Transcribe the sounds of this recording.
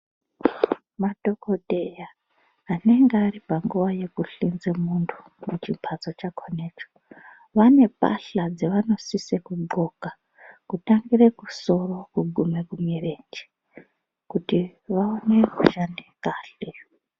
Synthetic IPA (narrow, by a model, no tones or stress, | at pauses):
mado̞kodejaː | ne̞ŋɡearipaŋɡuʋaje̞kuɬinzemuntʰu̥ | mut͡ʃimpʰat͡so̞t͡ʃakʰoneːt͡ʃo̥ | ʋane̞pa̰ɬad͡zeʋano̞sisekuɡ͡ǃo̞ka | kutaŋɡirekuso̞ro̞kuɡʱumekumire̞ːnd͡ʒe̥ | kutiʋaone̞kuʃandekaːɬe